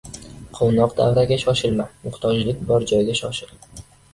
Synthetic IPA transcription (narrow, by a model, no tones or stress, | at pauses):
qʰonɒqd̪a̰vɾaɡʲaʃɒʃɪlmamʊχt̪ʰɒd͡ʒlɪk̚ʲbɒɾd͡ʒɒjɡʲaʃɒʃɪl